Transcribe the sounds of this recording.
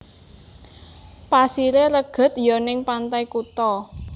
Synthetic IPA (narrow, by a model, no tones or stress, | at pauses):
pasiɾeləɡ̥ə̤t̪jɔnɪŋpant̪ajkut̪ɔ